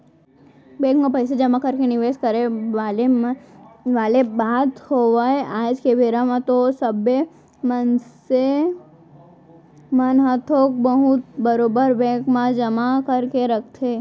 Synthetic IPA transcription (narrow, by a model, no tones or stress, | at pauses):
bɛ̃kmãpəjsed͡ʒəmãkəɾkeniʋeskəɾele | ʋalebad̪hoʋajad͡ʒkeʋeɾamãt̪osəbe | mənse | mənɦət̪ʰok̚bəɦut̪bəɾobəɾbɛ̃kmãd͡ʒəmakəɾkeɾək̚t̪ʰe